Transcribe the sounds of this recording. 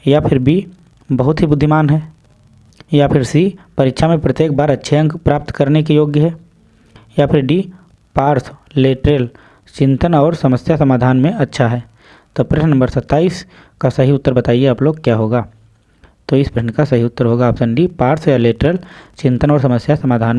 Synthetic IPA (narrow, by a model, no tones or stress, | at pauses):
japʰɪɾbʱi | bɐɦʊt̪ɦibʊd̪ʱːɪmaːnɦɛː | japʰɪɾsipɐɾɪtʃʰamẽpɾɐt̪jeːk̚baːɾɐtːʃʰeə̃ŋɡpɾaːp̚t̪kɐɾnek̬ijoːɡjəɦɛː | japʰɪɾɖi | paːɾsleːʈɾel | t͡ʃɪ̃nt̪ənɔːɾsɐməsjasɐmaːd̪ʱaːnmẽɐtːʃʰaɦɛː | t̪oːpɾenɐ̃mbəɾsɐt̪ːaːiːs | kasɐɦiʊt̪ːəɾbɐt̪aːieɐploːɡkjaːɦoːɡaː | t̪oɪsbɾənkasɐɦiʊt̪ːəɾɦoːɡaːpsə̃nɖipaːɾsjaleːʈɾelt͡ʃɪ̃nt̪ənɔːɾsɐməsjasɐmaːd̪ʱaːn